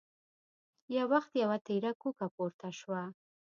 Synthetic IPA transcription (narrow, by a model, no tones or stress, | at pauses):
jawaxt̪jawat̪eɾakukapoɾt̪aʃwa